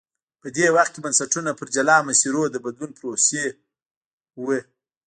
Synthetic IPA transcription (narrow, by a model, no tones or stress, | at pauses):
pəd̪ewaxt̪̚kʲebansaʈunapəɾd͡ʒalɑmasiɾod̪əbad̪lunpɾose | wə